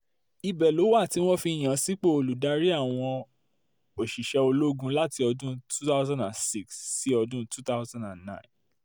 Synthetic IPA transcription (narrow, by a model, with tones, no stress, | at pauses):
i˧bɛ˨lo˨˦wa˦˨ti˨˦w̃ɔ̃˦fi˧˨j̃ã˨si˨˦k͡pe˦o˧lu˨da˧˦ɾi˦a˦˨w̃ɔ̃˧ | o˨ʃi˨ʃɛ˧o˧lo˦ɡũ˦la˦ti˧ɔ˧dũ˦tu˦ta˦ʊzã˦ndã˨nsi˦ksːi˨˦ɔ˧dũ˦tu˦ta˦ʊzã˦ndã˨nnã̰˦ĩ˨n